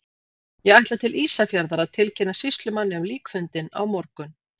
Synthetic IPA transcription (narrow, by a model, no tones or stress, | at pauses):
jɛɣajht̪lat̪ʰɪlʔiːsafjaɾðaɾaðt̪ʰɪlcʰɪnːasɪst̪lʏmanːɪamliːkfʏnt̪ɪna̰wmɔɾkʏn